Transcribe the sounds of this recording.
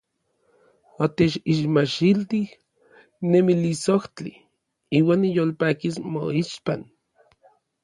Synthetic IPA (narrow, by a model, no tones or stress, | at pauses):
ot̪et͡ʃiʃmaʃilt̪ih | nemilisoht͡ɬi | iːwaːnːijolpaːkismo̰iʃpan